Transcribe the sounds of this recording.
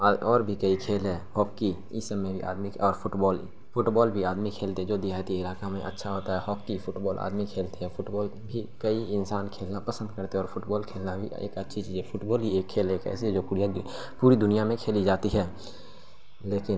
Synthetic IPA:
ɔːɾbʱikəikʰeːlɦɛːhɔːkːi | ɪsəbːẽbʱiʔa̰ːd̪miɔːɾfʊʈbɔːl | fʰʊʈbɔːlbʱiaːd̪mikʰeːlt̪eɦɛd͡ʒoːd̪iaːt̪ielaːkamẽʔə̰tːʃʰaɦoːt̪aɦɛhɔːkːifʰʊʈbɔːlʔa̰ːd̪mikʰeːlt̪eɦɛfʰʊʈbɔːlbʱikəiɪnsaːnkʰeːlnapəsə̃nd̪̚kəɾt̪eɛɔːɾfʰʊʈbɔːlkʰeːlnabʱḭḛːkətːʃʰit͡ʃiːzɛpʰʊʈbɔːlɦieːkʰːeːlɦɛːkɛ̰ːsed͡ʒoːpuɾa | puːɾid̪ʊnijamẽkʰeːlid͡ʒaːt̪iɦɛː | leːkɪn

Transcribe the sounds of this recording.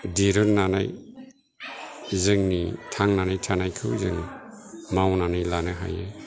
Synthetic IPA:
diɾɯɾnanaj | zɯŋnitʰaŋnanajtʰanajkʰɯwzɯŋ | mawnanajlanɯɦa̰jɯ

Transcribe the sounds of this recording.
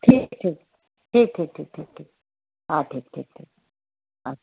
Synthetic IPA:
ʈʰiːk̚ʈʰiːk̚ | ʈʰiːk̚ʈʰiːk̚ʈʰiːk̚ʈʰiːk̚ʈʰiːk̚ | aʈʰiːk̚ʈʰḭːk̚ʈʰiːk̚ | a

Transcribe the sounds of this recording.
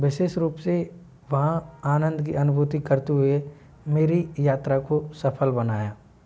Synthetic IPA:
ʋɪʃeːʃɾuːpse | ʋɐɦãaːnə̃nd̪ʱkiɐnʊbʱuːt̪ikɐɾt̪eɦʊe | meːɾijaːt̪ɾakosɐpʰəlbɐnaːjaː

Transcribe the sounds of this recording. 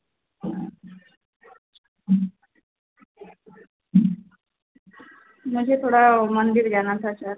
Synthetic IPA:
məd͡ʑʱet̪ʰoɽamənd̪iɾd͡ʑaɽ̃aɾt͡sasaɾ

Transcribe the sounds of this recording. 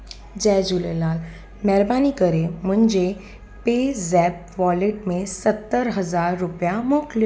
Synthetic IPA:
d͡ʑɛd͡ʑulelaːl | mɛɾbanikəɾem̤ʊɳd͡ʑe | pezɛb̚ʋɔleʈmẽsət̪ːəɾɦəzaːɾːupjamɔkl

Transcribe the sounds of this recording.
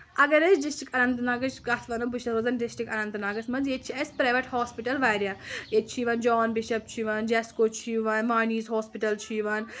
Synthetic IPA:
ɐɡɐɾɐsɖɪsʈikɐnɐnt̪naːɡɐt͡ʃɡɐt̪ʰʋɐnɐbuʃʰɐsoːzɐnɖɪsʈikɐnɐ̃nt̪naːɡɐsmɐnzjet͡ʃʰiɐsʲpɾaːjʋɐʈhɔːspiʈɐlʋaːjɾjajet͡ʃʰiʋɐnd͡ʒɔːnbɪʃɐb̚t͡ʃʰiʋɐnd͡ʒɛːskoːt͡ʃʰiʋɐnʋaːniːzɦɔːspiʈɐlt͡ʃʰiʋɐn

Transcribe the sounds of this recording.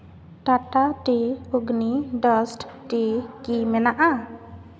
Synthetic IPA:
ʈaʈaʈiuɡniɖɔsʈʈikimɛnaʔa

